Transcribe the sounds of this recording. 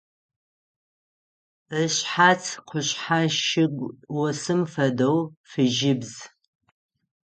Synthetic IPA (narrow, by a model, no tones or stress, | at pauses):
əɕħat͡sʰqʷʰʊɕħaʃɪɡʷwɔsɨmfɐdowfɨʒɪbz̥